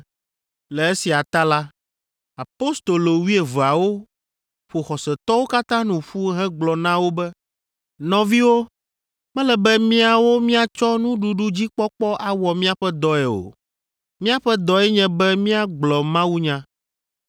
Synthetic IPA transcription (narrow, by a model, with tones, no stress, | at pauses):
lɛ˨e˦si˨a˨t̪a˦la˦ | a˨po˦st̪o˨lo˨wi˦e˨vo˨a˨wo˦ | ɸo˨xɔ˨sɛ˨t̪ɔ˦wo˦ka˦t̪ã˦nũ˨ɸu˦ɦɛ̃˦ɡ͡blɔ˨nã˦wo˦bɛ˦ | nɔ̃˨vi˦wo˦ | mɛ̃˦lɛ˨bɛ˦mĩ˦a˨wo˦mĩ˦a˨t͡ʃɔ˦nũ˦ɖu˨˦ɖu˦d͡ʑi˦k͡pɔ˦k͡pɔ˦ʔa˨wɔ˨mĩ˦a˨ɸɛ˦d̪ɔ˨ɛ˨o̰˨ | mĩ˦a˦ɸɛ˦d̪ɔ˨ɛ˦ɲɛ̃˦bɛ˦mĩ˦a˦ɡ͡blɔ˨mã˦wu˦ɲã˦